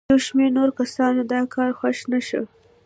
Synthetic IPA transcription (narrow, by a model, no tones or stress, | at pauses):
awʃmeɾnoɾkasɑnod̪ɑkʰɑɾxaʃnaʃə̰